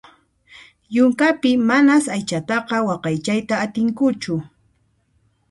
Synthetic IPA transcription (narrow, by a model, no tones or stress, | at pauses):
jʊŋkapɪmanasajt͡ʃat̪ɑqɑwɑqɑjt͡ʃajt̪aːt̪ɪŋkʊt͡ʃʊ